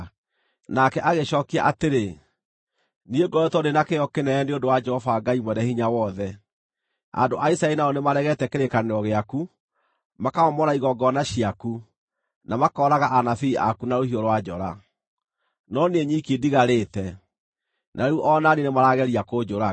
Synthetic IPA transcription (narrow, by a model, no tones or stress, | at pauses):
nakɛʔaɣeɕɔːkia̰ʔateɾe | nieɡɔɾɛtɔdenakejɔkenɛɛneondowad͡ʒɛhɔfaːɡaimwɛnɛhiɲawɔðɛ | a̰ndoʔaisaɛinaɔnemaɾɛɣɛtɛkeɾekaneɾɔɣeaku | makaɔmɔɾaiɣɔɡɔnaɕiaku | namakɔɾaɣaʔanafiia̰kunaɾohiɔɾwad͡ʒɔɾa | nɔneɲikidiɣaɾeːtɛ | nʔaɾeuʔɔnaninemaɾaɣɛɾiakod͡ʒoɾa